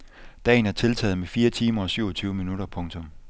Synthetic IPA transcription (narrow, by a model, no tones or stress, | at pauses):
d̥ɛ̰ːn̩æɐt͡sʰe̝lt͡sʰɛ̰ːð̩ˠmefiːɐt͡sʰiːmɐɒ̽syʊɒ̽t͡sʰyːʊəminuɾɐpʰɔ̽ŋt͡sʰɔ̽m